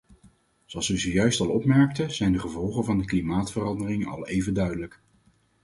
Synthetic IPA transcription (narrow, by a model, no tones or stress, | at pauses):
z̥oɑlˠsʋəzəjœɥstɑlˠɔpmɛɹk̚təz̥ɛjndəχəvɔlˠχənvɑndəklimaːtfərɑndərɪŋɑ̰lˠejvəndœɥdələk